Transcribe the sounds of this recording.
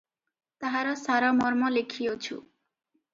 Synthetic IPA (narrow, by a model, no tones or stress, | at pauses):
t̪aɦaɾɔsaɾɔmɔɾmɔlekʰijot͡ʃʰṵ